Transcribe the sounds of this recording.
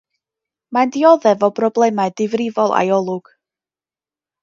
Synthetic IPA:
mandiɔðɛvɔbrɔblˠɛmaɨdɪvrɪvɔlˠa̰jɔlˠʊɡ̥

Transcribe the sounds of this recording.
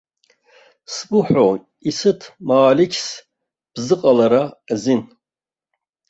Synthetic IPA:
sɡʷʊħʷᶣo | isɨtʰmaːlikʲʰs | b̥zɨqʼalaɾazin

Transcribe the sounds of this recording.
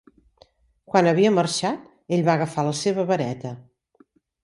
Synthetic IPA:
kwanəβiəmərʃat̪ | eʎʲβaəɣəfaləseβəβəɾɛt̪ə

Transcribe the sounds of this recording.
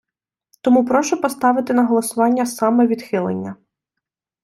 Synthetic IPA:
t̪ɔmupɾɔʃʊpɔst̪ɑʋɪt̪ɪnɐɦɔlˠɔsʊʋɑnʲːɐsɑmɛʋʲid̪xɪlˠḛnʲːɐ

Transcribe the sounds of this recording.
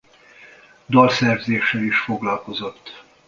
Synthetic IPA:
d̪ɒlsɛrzeːʃːɛliʃfo̞ɡlɒlko̞zo̞t̪ː

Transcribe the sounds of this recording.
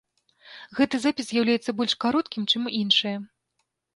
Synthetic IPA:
ɣɛt̪ɨzapʲiszʲjawlʲajɛt̪sːɐbɔlʲʂkaɾɔt̪̚kʲimt͡ʂɨmʔinʂɨjɐ

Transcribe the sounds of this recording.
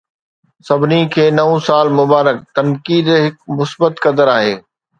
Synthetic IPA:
sɐbʱɪnikʰeːnɐũsaːlmʊbaːɾək̚t̪ɐnkiːd̪ɦɪk̚mʊsbət̪kɐd̪əɾaːɦeː

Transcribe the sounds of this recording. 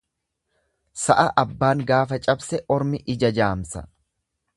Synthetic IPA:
sɐʔɐʔɐbːaːŋɡaːfɐt͡ʃʼɐbsɛʔɔɾmɪʔɪd͡ʒɐd͡ʒaːmsɐ̰

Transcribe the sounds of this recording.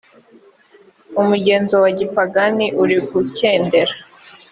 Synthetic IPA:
umuɟe̞ːnzo̞waɟipaɡaniʔuɾiɡuceːnde̞ɾa

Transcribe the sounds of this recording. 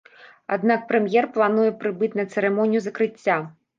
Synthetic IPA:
ad̪nak̚pɾɛmʲjɛrplˠanujɛpɾɨbɨt͡sʲnɐt̪sɛɾɛmɔnʲijuzɐkɾɨt͡sʲːa

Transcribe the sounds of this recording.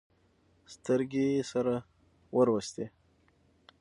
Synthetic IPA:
st̪əɾɡesaɾa | wəɾwəst̪e

